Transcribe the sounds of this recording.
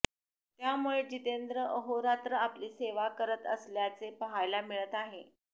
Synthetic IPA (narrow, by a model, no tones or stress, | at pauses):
t̪jamuɭed͡ʑit̪end̪ɾəʔəɦoɾat̪ɾəapliːseʋakəɾət̪əsljat͡sepəɦajlamiɭət̪aɦe